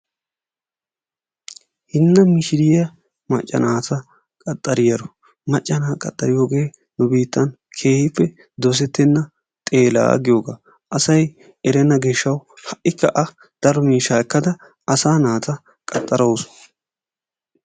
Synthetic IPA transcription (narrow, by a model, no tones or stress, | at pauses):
hɪnːɐmɪʃɪɾɪjɐ | mɐt͡ʃʼːɐ̰naːt̪ʰɐ | kʼɐt̪ʼːɐɾɪjɐɾɔ | mɐt͡ʃʼːɐnaːkʼɐt̪ʼːɐɾɪjo̞ːɡe̞ː | nʊbiːt̪ːɐn | kʰe̞ːhɪpːɛ | d̪ɔs̬ɛt̪ːɛnːɐ | t̪ʼe̞ːla̰ːɡɪjoːɡa̰ː | ʔɐsɐj | ɛɾɛnːɐɡeːʃːɐwhɐʔːɪkːɐʔɐ | d̪̥ɐɾɔmiːʃaːɛkːɐd̪ɐ | ɐsaːnaːt̪ɐ | kʼɐt̪ʼːɐɾowsʊ̥